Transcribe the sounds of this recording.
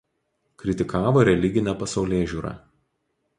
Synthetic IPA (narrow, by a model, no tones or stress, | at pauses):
kɾʲɪt̪ʲɪkɑːʋoːɾʲɛlʲɪɡʲɪnʲɛpɐsɐʊlʲeːʒʲuːɾɑ̰ː